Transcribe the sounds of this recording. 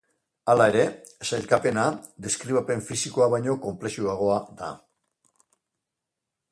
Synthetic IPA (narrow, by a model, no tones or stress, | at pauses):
alae̞ɾe̞sajlkape̞nad̪e̞skɾiβape̞ɱfisiko̞aβajɲo̞ko̞mple̞ʃuaɣ̞o̞ad̪a̰